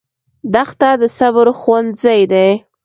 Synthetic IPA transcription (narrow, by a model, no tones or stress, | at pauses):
d̪axt̪ad̪əsaβɾxwand̪zajd̪aj